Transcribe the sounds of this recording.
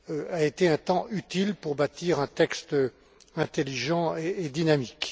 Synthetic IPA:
aet̪eɛ̃t̪ɑ̃ʔyt̪ilpuʁbat̪iʁɛ̃t̪ɛkst̪ø | ɛ̃t̪eliʒɑ̃eːd̪inamik

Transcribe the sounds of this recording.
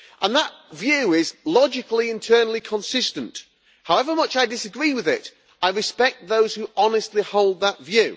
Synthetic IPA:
ʔə̃nðət̚vjʉɪzlɑd͡ʒɪkliɪ̃ntʰɜ˞nl̩ˠikʰə̃nsɪstə̃nt | haʊɛvə˞mʌt͡ʃaɪdɪsɨɡɹiwɪðɪt | ʔaɪɹɨspɛk̚t̪̚ðoʊz̥huʔɑnɨstˡlihoʊlˠd̪̚ðətvjʉ

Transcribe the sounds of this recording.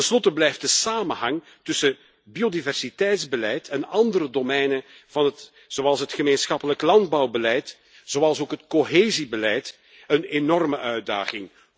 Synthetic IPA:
tənslɔtəblɛjftdəsaːmənɦɑŋ | tʏsə | biodivɛrsitɛjtzbəlɛjtʰɛnɑndəɾədomɛjnə | v̥ɑnɦət | z̥oɑlˠsɦətχəmeːnsxɑpələklɑndbɑwbəlɛjt | z̥oɑlˠsoːkɦətkoɦeːzibəlɛjt | ənenɔrməʔœɥda̰ːχɪŋ

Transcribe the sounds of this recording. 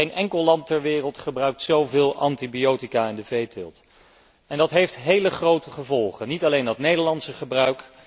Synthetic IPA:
ejnʔɛŋkəlˠlɑntɛɹʋɪːrəlˠtχəbrœɥk̚tsowvɪːlˠʔɑntibiowtikaːɪndəvejtɪ̰lˠt | ɛndɑtɦejftɦejləχrowtəχəvɔlˠχənitɑlejndɑtnejdəɹlɑntsəχəbrœɥk

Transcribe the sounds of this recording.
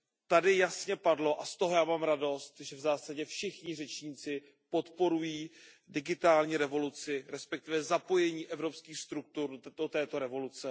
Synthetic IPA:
t̪adɪjasɲɛpadlo̞ʔast̪oɦo̞jaːmaːmɾado̞st̪ʒɛvzaːsaɟɛfʃɪxɲɪr̝ɛt͡ʃɲiːt͡sɪ | po̞t̪po̞ɾujiː | dɪɡɪt̪aːlɲiːɾɛvo̞lut͡sɪɾɛspɛk̚t̪ɪvɛzapo̞jɛɲiːʔɛvɾo̞pskiːxst̪ɾuk̚t̪urdot̪ɛːt̪o̞ɾɛvo̞lut͡sɛ

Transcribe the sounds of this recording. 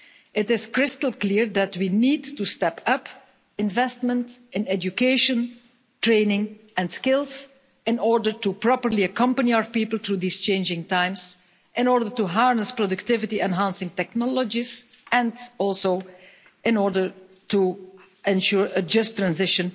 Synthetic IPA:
ɪtɪskɹɪstəl̩ˠklɪɹd̪ætwiniːdtustɛpʰʌp | ɪ̃nvɛstmə̃ntɪ̃nɛd͡ʒukeʃə̃n | tɹẽɪnɪ̃ŋɛ̃nskɪlˠs | ɪ̃nɔɹdəɹtupɹɔpəɹliəkʌ̃mpəniaʊə˞piːpəl̩ˠθɹuðiːst͡ʃẽɪ̃nd͡ʒɪ̃ŋtãɪ̃ms | ʔɪ̃nɔɹdəɹtuɦaɹnəspɹɔdʊktɪvɪtiɛ̃nɦãnsɪ̃ŋtɛknɔləd͡ʒiz | ɛ̃ndɔlˠso | ʔɪ̃nɔɹdə˞ | tu | ɛ̃nʃuɹəd͡ʒʌstɹæ̃nzɪʃə̃n

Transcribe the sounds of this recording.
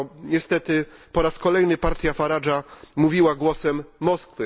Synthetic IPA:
ɲɛst̪ɛt̪ɘpɔɾaskɔlɛjnɘpaɾt̪ʲjafaɾad͡ʐamuvʲiwaɡwɔsɛmːɔskfɘ

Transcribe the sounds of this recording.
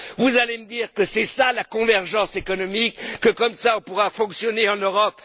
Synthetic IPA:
vuzaleməd̪iːʁkəsɛsalakɔ̃vɛʁʒɑ̃sekɔnɔmikːəkɔmsaɔ̃puʁafɔ̃ksjɔneɑ̃nøʁɔp

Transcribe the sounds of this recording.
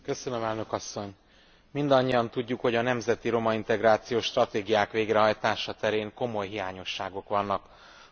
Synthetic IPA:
kø̞sønømɛlnø̞kɒsːo̞ɲ | mind̪ɒɲːiɒnt̪uɟːukho̞ɟɒnɛmzɛt̪iɾo̞mɒint̪ɛɡɾaːt̪sijoːʃt̪rɒt̪eːɡijaːkʋeːɡrɛɦɒjt̪aːʃɒt̪ɛɾeːŋko̞mo̞jɦijaːɲo̞ʃːaːɡo̞kʋɒnːɒk

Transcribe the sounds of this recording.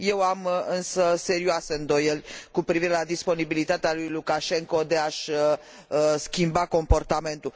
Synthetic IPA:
je̞wamɨnsəse̞ɾioaseɨnd̪o̞jelʲkupɾiviɾe̞lad̪ispo̞nibilit̪at̪ealujlukaʃe̞ŋko̞d̪e̞aʃʲ | skʲimbako̞mpo̞rt̪ame̞nt̪ul

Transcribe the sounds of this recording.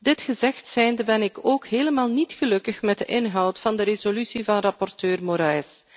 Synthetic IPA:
dɪtxəzɛxtsɛjndəbɛnɪkoːkɦeːləmaːlˠnitxəlɵkəxmɛt̚dəʔɪnɦɑwtfɑndəɾezolysivɑnrɑpɔrtøːrmoɾaːjs

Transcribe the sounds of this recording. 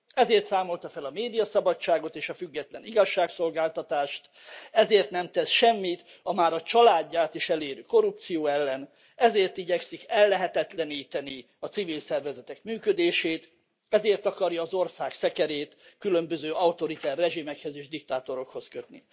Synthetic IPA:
ɛzeːrt̪saːmo̞lt̪ɒfɛlɒmeːd̪ijɒsɒbɒct͡ʃːaːɡo̞t̪eːʃɒfyɡːɛt̪lɛniɡɒʃːaːkso̞lɡaːlt̪ɒt̪aːʃt̪ | ɛzeːrt̪nɛmt̪ɛsʃɛmːit̪ | ɒmaːɾɒt͡ʃɒlaːɟːaːt̪iʃɛleːɾyko̞ɾupt̪sijoːɛlːɛn | ɛzeːrt̪iɟɛksikɛlːɛɦɛt̪ɛt̪lɛniːt̪ɛni | ɒt̪sivilsɛrvɛzɛt̪ɛkmyːkød̪eːʃeːt̪ | ɛzeːrt̪ɒkɒrjɒːzo̞rsaːksɛkɛɾeːt̪kylø̞mbøzøːʔɒut̪o̞ɾit̪ɛrːɛʒimɛkhøzeːʒd̪ik̚t̪aːt̪o̞ɾo̞kho̞skø̞t̪nḭ

